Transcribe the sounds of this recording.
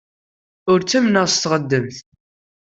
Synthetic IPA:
ʊɾt͡sːæmnəʁst̪ʁəd̪ːəmθ

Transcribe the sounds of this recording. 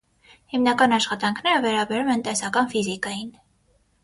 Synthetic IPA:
himnɑkɑnɑʃχɑt̪ɑŋkʰnɛɾəvɛɾɑbɛɾumɛnt̪ɛsɑkɑnfizikɑjin

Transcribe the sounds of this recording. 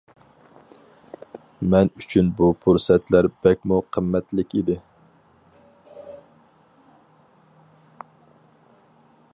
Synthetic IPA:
mɛnyt͡ʃʰynbupʰuɾsɛt̪læɾbɛk̚ʲmuqʰəmːɛt̪lɪkʲid̪ɪ

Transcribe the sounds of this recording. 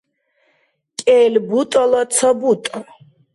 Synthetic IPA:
kʼɛːlbut̪ʼɔlɔt̪sʰɔbut̪ʼɔ

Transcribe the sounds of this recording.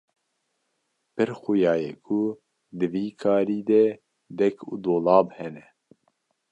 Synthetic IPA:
pɨɾxujɑːjɛkʰu | d̪ɨviːkʰɑːɾiːd̪ɛ | d̪ɛkʰṵd̪oːlɑːbhɛnɛ

